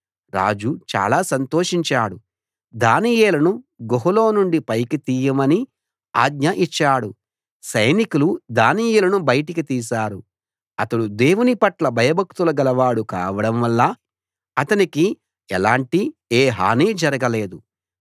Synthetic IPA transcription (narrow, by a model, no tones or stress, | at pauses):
ɾa̰ːd͡ʒut͡ʃa̰ːlaːsɐnt̪oːʂiɲt͡ʃaːɽu | d̪aːnijeːlɐnuɡoɦuloːnuɳɖipɐjkit̪iːjɐmɐni | a̰ːɡɲɐʔit͡ʃːaːɽu | sɐjnikulud̪aːnijulɐnubɐjɐʈikit̪iːsaːɾu | ɐt̪ɐɽud̪e̞ːwunipɐʈlɐbʱɐjɐbʱɐk̚t̪ulɐɡɐlɐʋaːɽukaːʋɐɽɐmʋɐlːɐ | ɐt̪ɐniki | ɛlaːɳʈieːɦa̰ːniːd͡ʒɐɾɐɡɐle̞ːd̪u